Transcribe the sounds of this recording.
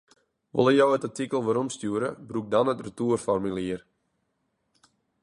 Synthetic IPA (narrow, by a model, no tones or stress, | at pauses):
ʋo̰lˠəjowətatikəlˠʋaɾɔmstjuːəɾə̰bruk̚danətrətuərfɔrmiliər